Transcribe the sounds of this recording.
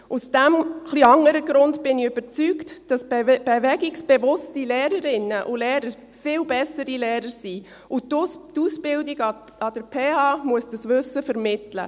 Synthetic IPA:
usd̥ɛmχliɑŋəɾəɡɾʊndb̥ɪniøb̥əɾt͡syktd̥ɑsb̥evɛɡɪksb̥evʊstilɛːɾəɾɪnːəʔʊlɛːɾəɾ | fɪːlbɛsəɾilɛːɾəɾsiː | ʊtuːsb̥ɪldɪɡ | ɑd̥əɾpʰeːɑːmuəsd̥ɑsʋʏsːəfəɾmɪtlə̰

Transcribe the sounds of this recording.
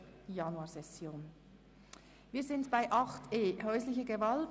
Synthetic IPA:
jɑnuaːsɛsjoːn | viːzɪndb̥aɪʔɑχtʰeːɦœʏslɪçəɡəvɑlt

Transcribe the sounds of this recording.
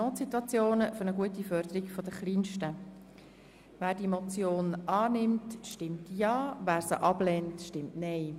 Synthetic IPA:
noːtsitwɑt͡sjoːnəfɵɾəɡuətifœɾd̥̪əɾiɡfɔd̪əχliːnʃtə | ʋæːɾdimɔt͡sjoːnʔɑːnɪmtʃtɪmtjɑːʋæːɾsəʔɑb̥lɛntʃtɪmtnɛɪ

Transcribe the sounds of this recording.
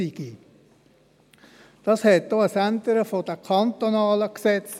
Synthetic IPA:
iɡ̥i | d̥ɑshɛt̚d̥oəsæntəɾəfod̥əkʰɑnt̪onɑːləksɛt͡s

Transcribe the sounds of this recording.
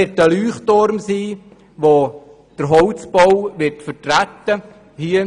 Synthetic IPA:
ɪtəlyːχtoɾmsiː | ʋo | d̥əɾɦɔwt͡sb̥ɔwʋɪɾtfəɾtɾætːə | hiə

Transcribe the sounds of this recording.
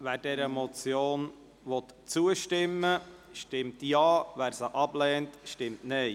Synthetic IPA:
ʋæːɾdɛɾəmɔt͡sjoːn | ʋɔt̪ | t͡suəʃtɪmːəʃtɪmtjɑːʋæːɾsəʔɑblɛːntʃtɪmtnɛɪ

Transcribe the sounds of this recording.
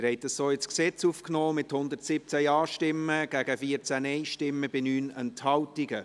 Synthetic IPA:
ɾhɛɪtdəssoːɪsksɛt͡sufknoːmɪthʊnd̪əɾtsɪp̚t͡sæjɑːʃtɪmːəɡ̥æɡ̥əfiəɾt͡sænɛɪʃtɪmːəb̥ɪnyːnɛnthɑwtiɡ̥ə

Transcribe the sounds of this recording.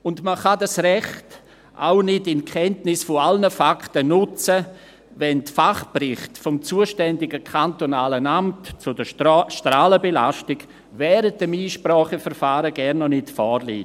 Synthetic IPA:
ʊndməχadasrɛχt | ʔa̰ʊnɪdɪnkʰɛntnɪsfɔalnəfakʰtənʊt͡sə | vɛntfaχprɪχtfɔmt͡suəʃtɛndɪɡəkʰantonaːlənamtt͡sʊdəʃtɾaːləbela̰ʃtɪɡ | vɛːɾət̚d̥ɛmiːʃprɔːχəfəɾfaːɾəɡɛɾnːɔnɪtfɔːɾlḭːt

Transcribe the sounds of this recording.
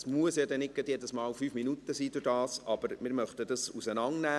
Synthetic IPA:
smuəsjɑːd̪ɛnɪkɡət̪jɛdəsmɑːlfyːfminut̪əsiːd̥̪ʊɾd̥ɑːsʔɑb̥əɾmɪɾmœχt̪əd̥̪ɑsusənɑŋnæː

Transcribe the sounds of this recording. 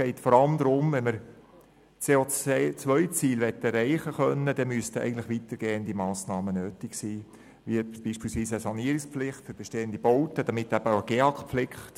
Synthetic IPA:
ɛɪtfɔɾɑlmd̪ɾʊmvɛnməɾ | t͡seːot͡sʋœʏt͡siːlʋɛt̪ːɛɾɛɪχəχœnːəd̥ɛmyəstəɛ̰ɪɡntlɪχʋitəɾɡ̥eːənd̪imɑːsnɑːmənøːtɪksiː | ʋib̥iːʃpiːlsʋiːsəsɑniəɾɪkspflɪχtfʏɾb̥ɛʃteːənd̥̪ibɔʊt̪əd̥ɑmɪtːæb̥əaəɡ̥eːɑkflɪkχt

